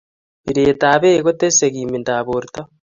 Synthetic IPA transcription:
βiɾeːtaːβeːɣoteseɣimindaβoɾita

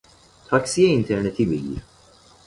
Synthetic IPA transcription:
t̪ʰɐksiɛɪnt̪ɛɾnɛt̪ʰibɛjːḭ

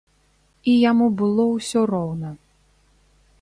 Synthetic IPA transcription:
ijamubɨlˠɔwsʲɔrɔwnɐ

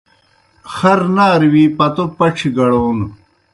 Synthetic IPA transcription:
xɐɾnaːɾwipɐt̪opɐʈ͡ʂʰiɡɐɽoːn

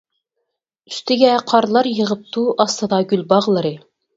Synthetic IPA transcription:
y̥st̪ɪɡʲɛqʰɑɾlˠɑɾjəʁəp̚t̪ʰuʔɑst̪ɨd̪ɑɡʲylbɑʁlˠɨɾɨ

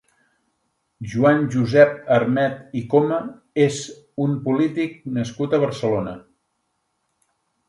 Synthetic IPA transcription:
ʒuanʒuzɛp̚ərmɛt̪ikomə | ez | umpulit̪ik̚nəskut̪əβəɾsəlonə

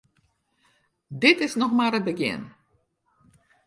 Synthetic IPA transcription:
dɪtɪsnɔxmaːɾəd̚bəɡɪ̰n

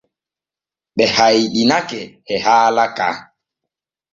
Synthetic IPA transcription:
ɓɛhajɗinakɛ | ɛhaːlaka̰

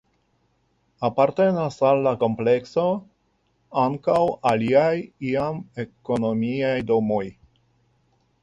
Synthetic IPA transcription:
apaɾte̞nasalːako̞mple̞kso̞ | aŋkawaliajiame̞ko̞no̞miajdo̞mo̞j

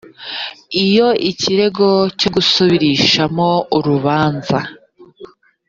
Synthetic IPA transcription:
ijo̞ʔiciɾe̞ɡo̞co̞ɡusoβiɾiʃamo̞uɾuβaːnza

